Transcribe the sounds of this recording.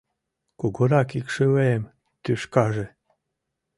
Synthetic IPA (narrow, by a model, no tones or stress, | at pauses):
koɡoɾɑkikʃeweem | t̪yʃkɑʒe